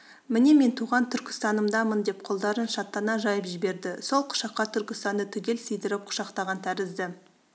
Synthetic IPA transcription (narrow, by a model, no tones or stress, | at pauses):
mɪne̞me̞nt̪ʰuʁɑnt̪ʰʏɾkʲɪ̥st̪ɑnəmd̪ɑmənd̪e̞p̚qʰo̞lˠd̪ɑɾənʃɑt̪ːɑnɑʒɑjəpʒɪbe̞ɾd̪ɪso̞lˠqʰʊ̥ʃɑqːɑt̪ʰʏɾkʲɪst̪ɑnd̪ət̪ʰʏɡʲe̞lsijd̪ɪɾɪp̚qʰʊ̥ʃɑqt̪ɑʁɑnt̪ʰæɾɪzd̪ɪ